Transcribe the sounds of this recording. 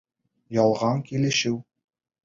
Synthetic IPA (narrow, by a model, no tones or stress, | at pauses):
jɑlˠʁɑŋkilɘ̆ʃɘw